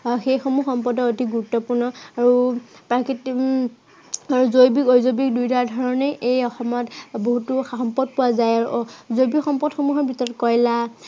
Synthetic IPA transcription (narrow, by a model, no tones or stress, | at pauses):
xejxomuxɔmpɔdɔotiɡuɹutːɔpuɹnɔaɹupakit | aɹuzojbikojzobik̚dujtadʱɔɹɔnɛʔejɔxɔmɔtboɦutʊxɔmpɔd̚pʊwazajaɹuzojbikxɔmpɔdxomuɦɔɹbʱitɔɹɔtkɔjla